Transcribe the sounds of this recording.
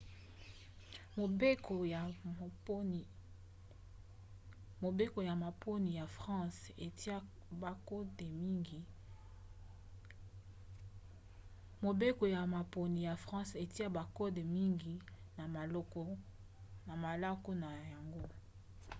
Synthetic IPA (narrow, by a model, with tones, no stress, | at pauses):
mo˨be˦ko˨j | mo˨be˦ko˨ja˨ma˨po˦ni˨ja˨fʁɑ̃˦se˨˦ | ba˨ko˦te˨mi˦ɡi˨ | mo˨be˦ko˨ja˨ma˨po˨ni˨ja˨fɑ̃˦se˨ti˦a˦ba˨ko˦de˨mi˦ŋɡi˨ | na˨ma˨lo˦kɔ˨ | na˨ma˨la˦ko˦na˨ja˨ŋɡo˦